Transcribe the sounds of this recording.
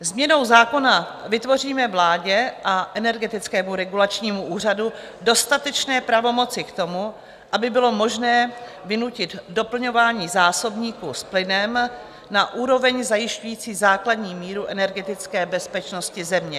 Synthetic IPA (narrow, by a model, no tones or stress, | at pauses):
zmɲɛno̞wzaːko̞na | vɪt̪vo̞r̝iːmɛvlaːɟɛʔaʔɛnɛɾɡɛt̪ɪt͡skɛːmuɾɛɡulat͡ʃɲiːmuʔuːr̝adu | do̞st̪at̪ɛt͡ʃnɛːpɾavo̞mo̞t͡sɪkt̪o̞mu | ʔabɪbɪlo̞mo̞ʒnɛː | vɪnucɪt̪do̞pl̩ɲo̞vaːɲiːzaːso̞bɲiːkusplɪnɛm | naʔuːɾo̞vɛɲzajɪʃcujiːt͡siːzaːkladɲiːmiːɾuʔɛnɛɾɡɛt̪ɪt͡skɛːbɛspɛt͡ʃno̞scɪzɛmɲɛ